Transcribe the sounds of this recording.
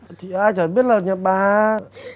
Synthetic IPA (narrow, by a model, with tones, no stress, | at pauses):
t̪ʰi˨aː˧jt͡ɕəː˨˩˦ɓi˦˥ət̚laː˨˩ɲa˨˩ɓaː˨˩